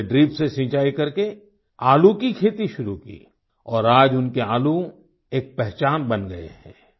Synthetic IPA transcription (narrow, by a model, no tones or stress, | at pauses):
ɖɾiːpsesɪ̃ːt͡ʃaːikɐɾke | aːlukikʰeːt̪iʃʊɾukḭː | ɔːɾaːd͡ʒʊnkeaːlu | eːk̚pɛɦt͡ʃaːnbɐnɡɐḛɦɛ̰̃ː